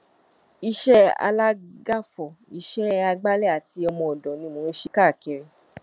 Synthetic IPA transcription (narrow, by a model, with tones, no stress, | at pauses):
i˧ʃɛ˦a̰˧la˦ɡa˦fɔ˨i˧ʃɛ˦a˧ɡ͡ba˦lɛ˦˨a˨ti˧ɔ˧mɔ̃˧˨ɔ˨dɔ̃˨nĩ˧˦mõ˨˧˦ʃi˦ka˦˨ke˧ɾe˧